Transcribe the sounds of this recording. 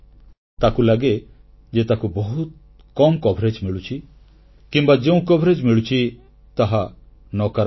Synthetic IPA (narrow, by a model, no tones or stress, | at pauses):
t̪akulaɡe | d͡ʒet̪akubɔɦut̪̚ | kɔmkɔbʱɾed͡ʒmiɭut͡ʃʰi | kimbad͡ʒeũkɔbʱɾed͡ʒmiɭut͡ʃʰi | t̪aɦa | nɔkaɾ